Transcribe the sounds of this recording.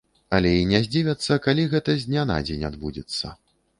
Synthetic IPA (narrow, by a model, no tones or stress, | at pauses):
ɐlʲɛinʲɛzʲd͡zʲivʲɐt̪sːɐkalʲiɣɛt̪ɐzʲnʲana̰d͡zʲenʲad̪bud͡zʲɛt̪sːɐ̰